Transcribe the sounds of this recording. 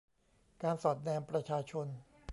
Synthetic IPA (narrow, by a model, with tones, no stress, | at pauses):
kaː˧nsɔː˨˩t̪̚nɛː˧mpɾa˧t͡ɕʰaː˧t͡ɕʰo˧n